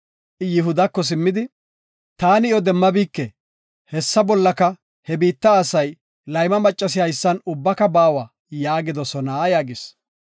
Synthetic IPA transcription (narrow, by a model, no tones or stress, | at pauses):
ʔɪjɪɦʊd̪ɐkːɔs̬ɪmːɪd̪ɪ | t̪aːnɪjɔd̪ɛmːɐbiːkːɛ | hɛsːɐbɔlːɐkɐ | hɛbiːt̪ːɐːsɐj | lɐjmɐmɐt͡ʃʼːɐs̬ɪhɐjsːɐnʊbːɐkɐbaːwɐ | jaːɡɪd̪ɔsɔnɐjaːɡɪs